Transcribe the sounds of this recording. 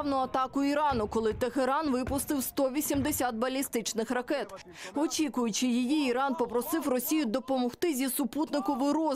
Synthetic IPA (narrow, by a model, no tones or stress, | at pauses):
wnʊɐt̪ɑkʊiɾɑnʊkɔlˠɪt̪eɦeɾɑnʋɪpʊst̪ɪwst̪ɔʋʲisʲimd̪esʲɑd̪̚bɐlʲist̪ɪt͡ʃnɪxrɐkɛt̪ | ɔt͡ʃʲikʊjʊt͡ʃɪjijiiɾɑnpɔpɾɔsɪwrɔsʲijʊd̪ɔpɔmɔxt̪ɪzʲisʊput̪nɪkʊʋɪɾɔ